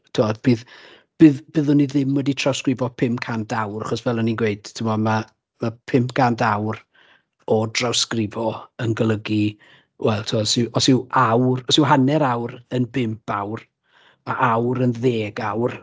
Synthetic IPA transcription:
tʰuɔdb̥ɨːð | b̥ɨːðb̥ɨðʊniðɪmwɛditʰrawskrɪvɔpʰɪmpkʰantawra̰χɔsvɛlˠɔninɡweɨd̥tʰɪmɔma | mapʰɪmpɡ̥ʰantʰawr | ɔdrawskrɪvɔənɡəlˠəɡi | wɛlˠtʰuɔsɪʔɔsɪwawrɔsɪwɦanɛɾawɾənbɪmpawr | maʔawɾənðeːɡawr

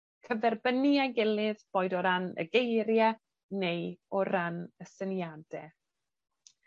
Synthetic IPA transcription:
kʰəvɛrbəniajɡɪlˠɨðb̥oːɨdɔɾanə̰ɡejɾjɛ | nejɔɾanəsənjadɛ

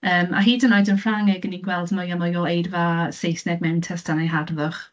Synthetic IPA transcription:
əːmʔa̰ɦiːdənɔjdənfraŋɪɡəninɡwɛlˠdmɔjamɔjɔejdvasejsnɛɡ̚mɛwntʰɛstʰanajɦadvʊχ

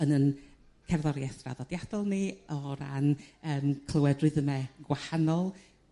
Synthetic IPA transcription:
ənən | kʰɛrðɔɾjɛθra̰ðɔd̥jad̥ɔlˠniɔɾa̰nəːmkʰlˠəwɛdrɨðəmɛɡwahanɔlˠ

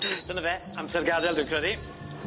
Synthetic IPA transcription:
d̥ənəvɛamsɛrɡadɛlˠdɪkʰr̥ɛði

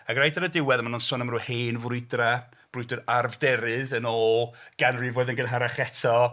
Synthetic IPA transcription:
aɡrajdaɾədɪwɛðmanunsʊːnamruːheːnvʊjdra | b̥rʊjdɔðarvdɛɾɨðənoːlˠɡ̥anrivoːɨðənɡənɦaɾaχɛtʰɔ

